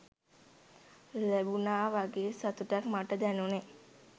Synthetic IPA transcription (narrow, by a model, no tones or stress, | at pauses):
læbunaːʋaɡeːsat̪uʈakmaʈəd̪ænune